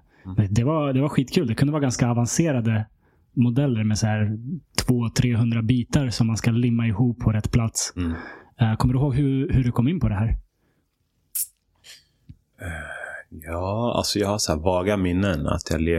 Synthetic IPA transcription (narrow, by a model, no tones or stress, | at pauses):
mɛd̪ɛvad̪ɛvaɾɧiːt̪kʰʉ̟ːld̪ɛkʰɵnəvaːɡanskaːvanseːɾad̪ə | mʊd̪ɛlːəɾmɛsaæːɾt̪ʰv̥oːt̪ʰɾeːɦɵnd̪ɾabiːt̪aɾsɔmːanskalɪmːaɪhuːpʰːɔɾɛt̪ːpʰlat̪s | kʰɔmːəd̪ɵɦoːɡɦɵhɵɖɛkʰɔmːɪnːpʰɔd̪ɛɦæːɾ | ɛjɑːa̰lsɔjɑhashæːɾvɑːɡamɪnːəna̰t̪ʰjɑ̰ːɡleː